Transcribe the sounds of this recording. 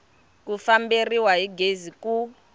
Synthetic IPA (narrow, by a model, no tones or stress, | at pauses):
kufamberiwaɦiɡeziku